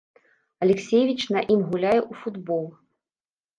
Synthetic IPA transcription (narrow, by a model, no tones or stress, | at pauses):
ɐlʲɛksʲejvʲit͡ʃnɐʔimɣulʲajɛʔufud̪bɔlˠ